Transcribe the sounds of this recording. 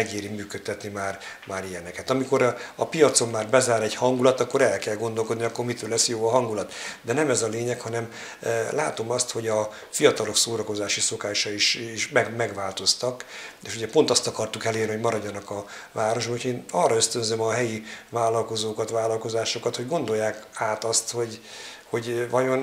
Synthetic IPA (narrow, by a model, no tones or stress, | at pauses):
ɛɡeːɾimyːkøt̪ːɛt̪nimaːrmaːɾijɛnɛkɛt̪ɒmiko̞ɾɒpijɒt̪so̞mːaːrbɛzaːɾɛɟhɒŋɡulɒt̪ɒkːo̞ɾɛlkɛlɡo̞nd̪o̞lko̞d̪niɒkːo̞rmit̪øːlɛsjoːɒɦɒŋɡulɒt̪d̪ɛnɛmɛzɒleːɲɛkhɒnɛm | la̰ːt̪o̞mɒst̪ho̞ɟɒ | fijɒt̪ɒlo̞ksoːɾɒko̞zaːʃiso̞kaːʃɒiʃiʃmɛɡmɛɡʋaːlt̪o̞st̪ɒkeʃuɟɛpo̞nt̪ɒst̪ɒkɒrt̪ukɛleːrnihoɟmɒɾɒɟːɒnɒkɒ | vaːɾo̞ʒbɒhocʰeːnɒrɒøst̪ønzømɒɦɛjivaːlɒlko̞zoːkɒt̪ʋaːlɒlko̞zaːʃo̞kɒt̪ho̞ɟɡo̞nd̪o̞jːaːkaːt̪ɒst̪ho̞ɟ | ho̞ɟvɒjo̞n